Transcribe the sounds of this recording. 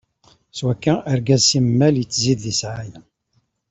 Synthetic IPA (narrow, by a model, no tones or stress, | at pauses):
swækːæəɾɡæzsimmːæljət͡sːziððisʕajæ